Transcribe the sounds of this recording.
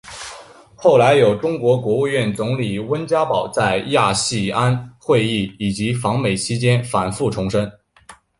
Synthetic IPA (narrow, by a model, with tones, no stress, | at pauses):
xo˥˩ʊla˧˥ɪjo˨˩ʊʈ͡ʂʊ˥ŋkwɔ˧˥kwɔ˧˥u˥˧ɥɛ˥˩nt͡sʊ˧˥ŋli˨˩wə˥nt͡ɕja˥pɑ˨˩ʊt͡sa˥˧ɪja˥˧ɕi˥˩a˥nxwe˥˧ɪi˥˩i˨˩t͡ɕi˧˥fɑ˧˥ŋme˨˩ɪt͡ɕʰi˥t͡ɕjɛ˥nfa˨˩nfu˥˩ʈ͡ʂʰʊ˧˥ŋʂə˥n